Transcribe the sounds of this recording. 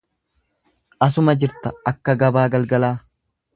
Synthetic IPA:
ʔɐs̬ʊmɐd͡ʒɪɾt̪ɐɐkːɐɡɐbaːɡɐlɡɐlaː

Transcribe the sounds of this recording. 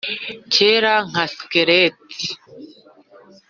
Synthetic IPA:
t͡ʃʰeɾaŋ̥askeɾet̪i̥

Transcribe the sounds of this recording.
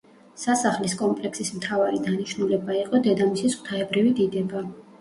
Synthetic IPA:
sasaχliskʼɔmpʼlɛksismt̪ʰavaɾid̪aniʃnulɛbaiqʼɔd̪ɛd̪amisisʰt̪ʰaɛbɾivid̪id̪ɛba

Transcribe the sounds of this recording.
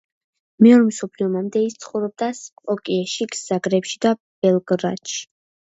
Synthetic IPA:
mɛɔɾmsɔpʰliɔmamd̪ɛist̪sʰχɔwɾɔb̚d̪asɔkʼiɛʃiɡz̥aɡɾɛpʃid̪ab̥ɛlˠɡɾa̰d̪ʃi̥

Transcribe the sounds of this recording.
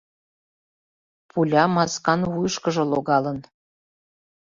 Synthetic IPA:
pʰulʲɑmɑskɑnwujəʃkəʒɤ̆loɣɑlən

